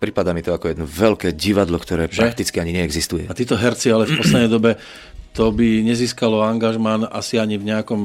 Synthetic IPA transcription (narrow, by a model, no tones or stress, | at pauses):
pɾipad̪aːmit̪ɔakɔjɛd̪nɔvɛlkɛːɟiʋad̪lɔkt̪ɔɾɛːʒɾakt̪it͡skiaɲiɲɛɛɡzist̪ujɛ̰at̪iːt̪ɔɦɛɾt͡sialɛfpɔslɛd̪nɛjd̪ɔbɛ | t̪ɔbiɲɛziːskalɔaŋɡaʒmanasiaɲivɲɛakɔm